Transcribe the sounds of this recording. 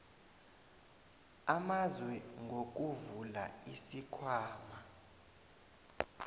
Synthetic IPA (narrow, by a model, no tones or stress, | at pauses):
amazwɛŋɡʱok̬ʼuvula̰isikʰwaːma